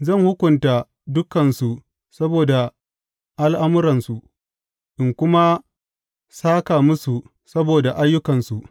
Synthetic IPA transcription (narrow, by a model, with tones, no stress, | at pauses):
zɐ˦˨ŋhʊ˦kʷʊ˨ntaː˨ | dʊ˦kɐ˨nsu˨ | sɐ˦boː˨da˨ | ʔa˦lʔa˦mʊ˦ɾɐ˨nsu˨ʔ | ʔɪ˨ŋkʷʊ˦ma˦ | saː˦kaː˨mʊ˦su˨ | sɐ˦boː˨da˨ʔa˦jːʊ˦kɐ˨nsu˨ʔ